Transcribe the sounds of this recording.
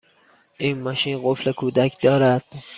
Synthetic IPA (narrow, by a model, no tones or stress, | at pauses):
ʔiːnmɒʃiːnɢoflekʰuːd̪ækʰd̪ɒːɾæd̪̥